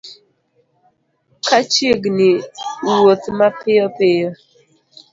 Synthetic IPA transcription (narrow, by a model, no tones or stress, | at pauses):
kat͡ʃeɡnɪwot̪mapɪjɔpɪjɔ